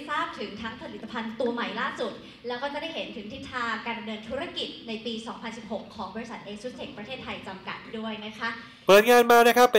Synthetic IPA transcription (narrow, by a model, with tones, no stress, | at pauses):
saː˥˩p̚t̪ʰɯ˩˦ŋt̪ʰa˦˥ŋpʰa˧li˨˩t̪ːa˧pʰa˧nt̪u˧ɐma˨˩jlaː˥˩su˨˩t̪̚ | lɛː˦˥wkɔː˥˩kaː˥˩da˥˩jɦe˩˦nt̪ʰɯ˨˩˦ŋt̪ʰi˦˥t̪ʰːaː˧kaː˧nda˧mdɤː˧nt̪ʰuː˦˥ɾa˧ki˨˩t̪̚na˧jpiː˧sɔː˩˦ŋpʰa˧nsi˨˩p̚ho˨˩kʰːɔː˩˦ŋbɔː˧ɾi˧sa˨˩t̪̚ʔeː˧su˦˥t̪̚kʰe˨˩ŋ̚pɾa˧t̪ʰeː˥˩t̪ʰːa˧jt͡ɕa˧mka˨˩t̪̚du˥˩əjna˦˥kʰa˦˥ʔ | pɤː˨˦˥n̚ŋaː˧nmaː˥kna˦˥kʰa˦˥pː